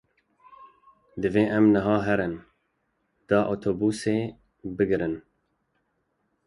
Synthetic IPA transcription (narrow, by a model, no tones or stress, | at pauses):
d̪ɨveːʔɛmnɨɦɑːɦɛɾɨn | d̪̥ɑːʔot̪ʰoːbuːseː | bɨɡɾɨn